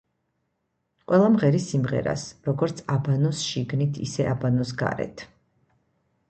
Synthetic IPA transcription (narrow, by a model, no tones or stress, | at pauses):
qʼwɛlˠamʁɛɾisimʁɛ̰ɾa̰sɾɔɡɔɾt̪sʰabanɔsʃiɡnit̪ʰḭsɛʔabanɔsɡa̰ɾɛ̰t̪ʰ